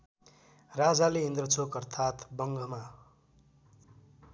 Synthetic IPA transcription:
rad͡zaleind̪rʌt͡sʰokʌrt̪ʰat̪bʌŋɡʱʌma

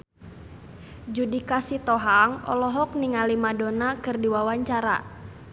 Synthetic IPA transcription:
d͡ʒudikasit̪ɔɦaŋɔ̰lɔɦɔk̚niŋalimadonakɨrdiwawaɲt͡ʃaɾa̰

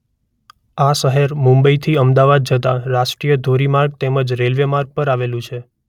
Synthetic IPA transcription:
aʃəɦeɾmũmbəit̪ʰiəmd̪aʋad̪̚d͡ʒət̪aɾaʃʈɾijəd̪ʱoɾimaɾɡ̚t̪eməd͡ʒɾelʋemaɾɡ̚pəɾaʋelũt͡ʃʰe

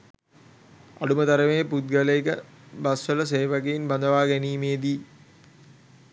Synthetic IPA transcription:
aɖumɐt̪ɐɾɐʋeːput̪̚ɡɐlejkə | bɐsʋəlɐs̬eːʋɐɡejinbɐnd̪ɐʋaːɡɛniːmeːd̪i

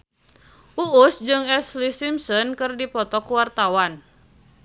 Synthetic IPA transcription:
ʔuʔusd͡ʒɨŋɛslisimsɔnkɨrdipɔt̪ɔkuwart̪awan

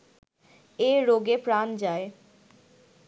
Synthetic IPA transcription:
eɾoɡepɾand͡ʑae

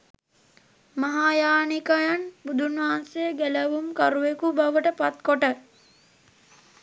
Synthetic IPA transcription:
maɦaːjaːnikajanbud̪ʱunʋaːnsejəɡæləʋumkaɾuʋekubaʋəʈəpat̪koʈə

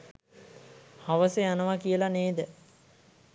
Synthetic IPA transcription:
haʋəsejanəʋakijəlaneːd̪ə

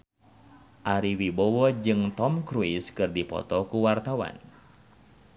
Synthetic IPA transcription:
ʔaɾiwibɔwɔd͡ʒɨŋt̪ɔmkɾuiskɨrdipɔ̰t̪ɔkuwart̪awa̰n

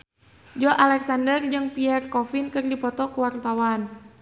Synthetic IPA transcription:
d͡ʒɔʔalɛksandərd͡ʒɨŋpiɛrkɔfinkɨrdipɔt̪ɔkuwart̪awan

